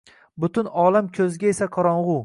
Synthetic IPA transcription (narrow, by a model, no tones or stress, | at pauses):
bʊt̪ʊnɒːlamkʲʰɵzɡʲaesaqʰɒɾɒɴʁʊ